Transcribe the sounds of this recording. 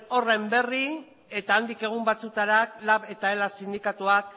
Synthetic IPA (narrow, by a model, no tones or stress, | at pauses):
o̞rembe̞ri | e̞t̪aːnd̪ike̞ɣ̞umbat͡sut̪aɾak̚laβe̞t̪aelasind̪ikat̪uak̚